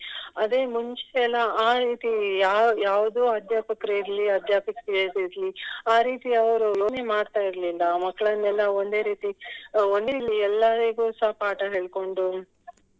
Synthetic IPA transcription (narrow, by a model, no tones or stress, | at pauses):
ɐd̪e̞ːmuɲt͡ʃɛlːɐaːɾiːt̪iaːjaːʋɐd̪uːɐd̪ʱjaːpɐkɾeiɾliɐd̪ʱjaːpɐkɾiesiɾliaːɾiːt̪iɐʋɐɾuonemaːɽt̪aːjiɾlilːɐmɐkːɐɭɐnːɛlːɐond̪e̞ːɾiːt̪iond̪eliɛlːaɾiɡuːsɐɦapaːʈɐɦeːɭko̞ɳɖu